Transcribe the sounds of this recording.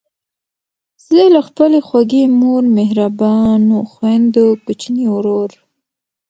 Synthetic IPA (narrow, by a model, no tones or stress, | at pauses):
zlelaxpəlexwaɡemoɾmehɾabɑnoxwand̪okʊt͡ʃniwɾoɾ